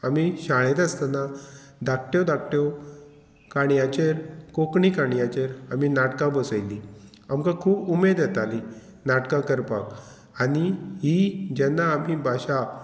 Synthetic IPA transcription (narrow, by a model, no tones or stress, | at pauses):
amiɕaɭet̪ast̪anad̪ak̚ʰʈjɔd̪ak̚ʈjɔ | kaɳjat͡ɕeɾkokɳikaɽijat͡ɕeɾaminaʈkãbəsəjli | amkãkʰuːbumed̪jɛt̪ali | naʈkãkəɾpa̰k | aɽiɦid͡ʑɛnːaːm̤ibʱaɕa